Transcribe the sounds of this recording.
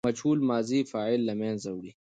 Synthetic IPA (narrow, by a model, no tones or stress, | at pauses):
ɐt͡ʃʰuːlmaːziːfaːilːɐmẽːnzɐwɽi